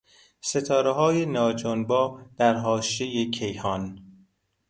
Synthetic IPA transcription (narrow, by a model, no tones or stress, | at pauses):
se̞t̪ʰɒːɾeɦɒːjenɒːd͡ʒonbɒːd̪̥æɾɦɒːʃejecʰejhɒːn